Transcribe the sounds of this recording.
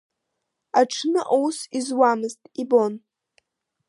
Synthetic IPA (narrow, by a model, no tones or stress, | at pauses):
aʈ͡ʂʰnɨʔowsizwamɨztʼibo̞n